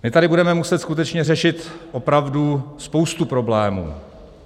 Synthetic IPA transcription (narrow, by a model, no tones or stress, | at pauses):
mɪt̪adɪbudɛmɛmusɛt̪skut̪ɛt͡ʃɲɛrɛʃɪt̪ʔo̞pɾavduspo̞wst̪upɾo̞blɛːmṵː